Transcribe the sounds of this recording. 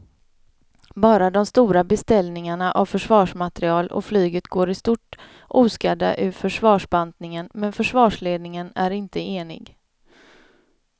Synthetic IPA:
bɑːɾad̪ɔmst̪uːɾabɛst̪ɛlnɪŋaɳaʔavfœʂvɑːʂmat̪ɾɪɑːlɔ̰flyːɡət̪ɡoːɾɪst̪uːʈ | uːskad̪a̰ʔʉ̟ːfœʂvɑːʂband̪nɪŋənmɛnfœʂvɑːʂleːd̪nɪŋənæɾɪnt̪əeːnɪ̰ɡ

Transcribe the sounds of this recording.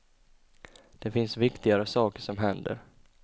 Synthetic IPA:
d̪̥ɛfɪnsvɪkt̪ɪɡaɾəsɑːkəʂɔmɦɛnd̪ə̰ɾ

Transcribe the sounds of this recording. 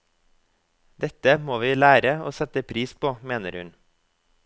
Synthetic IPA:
d̪ɛt̪əmoːʋiːlæːɾəo̰ːsɛt̪əpʰɾiːspʰoːmeːnəɾhʉ̰n

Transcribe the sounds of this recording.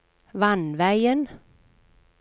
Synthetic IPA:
vanvæjən

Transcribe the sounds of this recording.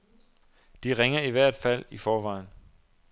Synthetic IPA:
d̥iʁeŋɐiʋæɐ̰d̥fæl̰ifɒːʋɑ̈ɪ̰n

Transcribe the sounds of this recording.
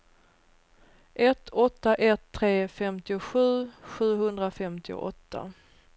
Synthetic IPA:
ʔɛt̪ʰːɔt̪ːaʔɛt̪ʰːɾeːfɛmt̪ɪʊɧʉ̟ːɧʉ̟ːɦɵnd̪ɾafɛmt̪ɪʊ̰ʔɔt̪ʰːa̰

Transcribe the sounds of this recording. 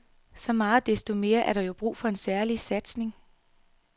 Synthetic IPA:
sɒ̽mɑ̈ːð̩d̥esd̥o̝me̝ːɐʔæɐɾ̥ɑ̈jo̝b̥ʁṵːfɒ̽e̝nsæɐlisæd̥sne̝ŋ

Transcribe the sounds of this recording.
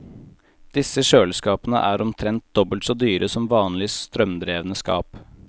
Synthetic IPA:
d̪̥ɪsəʃøːlskɑːpənə̰ʔæːɾɔmt̪ʰɾɛnt̪̚d̪ɔbəlt̪sɔːd̪yːɾʔəsɔmʋɑːnlɪst̪ɾœmd̪ɾeːʋənəskɑ̰ːp

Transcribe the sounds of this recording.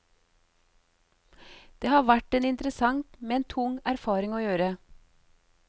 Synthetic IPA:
d̪̥eːhɑːʋæʈeːnɪnt̪ɾəsɑŋt̪meːeːnt̪ʰʊŋæɾfɑːɾɪŋoːjøːɾə

